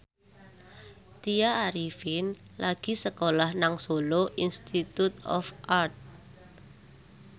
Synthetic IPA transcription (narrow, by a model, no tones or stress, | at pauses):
t̪iaːɾifɪn | laɡ̥i̤səkolahnaŋsoloʔinst̪it̪ut̪ɔ̰fʔart̪̚